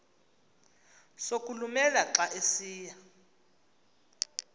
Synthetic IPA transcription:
sokʼulumɛlaǁaʔesiːja

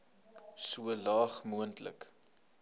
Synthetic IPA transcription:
suəlɑːχmuəntlə̰k

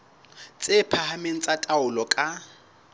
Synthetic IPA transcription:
t͡sʼɪpʰahameŋ̩t͡sʼatʼaʊlɔkʼa

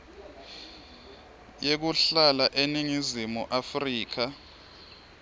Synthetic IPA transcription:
jek̬uɬalaʔeniŋizimuʔafriːk̬a

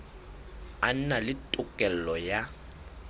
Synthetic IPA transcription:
an̩nalɪtʼʊkʼɛl̩lɔja

